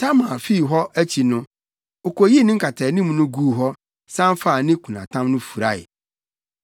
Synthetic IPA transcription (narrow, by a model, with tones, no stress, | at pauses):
tʰa˦mã˨fi˦˨ɦɔ˦æ˦t͡ɕʰi˨nʊ̃˦ | o˨ko˨ji˦nɪ̃˦ŋ̩˦kʰa˨tʰɛ˨nĩ˦mnʊ̃˦ɡuː˦˨ɦɔ˦ | sã˦n˦fa˦˨nɪ̃˦kʰu˨nã̰˨tʰã˦mnʊ̃˦fu˨ɾa˦ɪ̰˨